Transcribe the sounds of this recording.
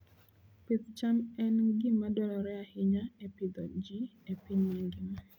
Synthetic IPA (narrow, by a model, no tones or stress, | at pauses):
pɪt̪t͡ʃamɛnɡɪmadɔlɔɾɛahɪɲaɛpɪd̪ɔd͡ʒiepɪɲmaŋɡɪna